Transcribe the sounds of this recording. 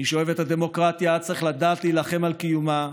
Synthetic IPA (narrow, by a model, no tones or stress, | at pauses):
iʃoevet̪had̪e̞mo̞kʁat̪jaad̚t͡sʁeχlad̪aːt̪liːlaχe̞malkijuma